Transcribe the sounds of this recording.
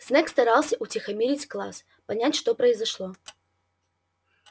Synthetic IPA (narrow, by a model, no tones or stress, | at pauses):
snɛkst̪ɐɾalˠsʲəʔʊt͡sʲɪxɐmʲeɾʲɪt͡sʲklˠa̰s | pɐnʲætʲʂt̪ɔpɾəɪzɐʂlˠɔ